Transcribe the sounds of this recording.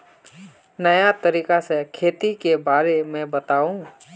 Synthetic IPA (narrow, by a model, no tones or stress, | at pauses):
nɐjat̪əɾiːkasekʰeːt̪ikebaːɾemɛ̃bɐt̪aːũː